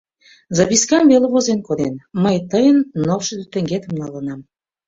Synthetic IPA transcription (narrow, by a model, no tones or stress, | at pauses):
zɑβʲiskɑmveleβozenkoɾenməjt̪əjənːofʃə̆d̪yt̪ə̆ŋɡet̪ə̆mnɑlənɑm